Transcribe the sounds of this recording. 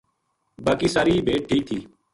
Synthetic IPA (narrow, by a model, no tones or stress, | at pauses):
baːkiːsaɾiːbʱeːʈ̚ʈʰːiːk̚t̪ʰiː